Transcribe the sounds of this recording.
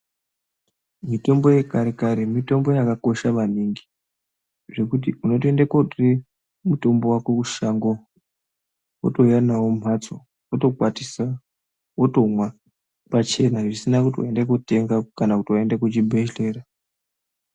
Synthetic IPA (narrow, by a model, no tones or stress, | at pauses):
mito̞mbo̞je̞kaɾekaɾemito̞mbo̞jakako̞ʃaʋaniŋɡi̥ | ʐe̞kut̬iʔuno̞te̞ndekotre | muto̞mbo̞wakwekuʃaŋɡo | woto̞janawom̤ʱat͡so | woto̞kwatisa | woto̞mwa | pat͡ʃe̞naʐisinakutiwa̰e̞ndek̬ute̞ŋɡakanakutiwae̞ndekut͡ʃibʱeʃle̞ːra